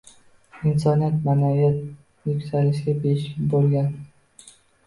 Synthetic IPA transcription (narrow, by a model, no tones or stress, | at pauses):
ɪnsɒnijat̪manaijat̪̚ | nɪkʲt̪ʰalɪʃɡʲabeɪʃʲɪbolˠɡʲan